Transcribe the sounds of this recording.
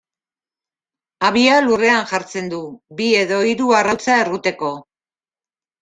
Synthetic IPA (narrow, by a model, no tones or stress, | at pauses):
aβialure̞aŋʝaɾt͡se̞nd̪uβie̞ðo̞iɾuarat͡sae̞rɣut̪e̞ko̞